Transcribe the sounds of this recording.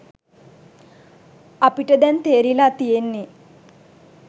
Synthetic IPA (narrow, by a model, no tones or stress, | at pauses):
apiʈəd̪ɛnt̪eːɾilaːt̪ijenːi